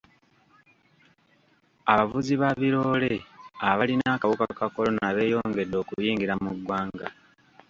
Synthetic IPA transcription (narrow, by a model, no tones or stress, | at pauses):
aβavuziβaβiɾo̞ːle̞aβalinaːkaβukakako̞lo̞naβe̞ːjo̞ːŋɡe̞dːo̞ːkujiːŋɡiɾamuɡwaːŋɡa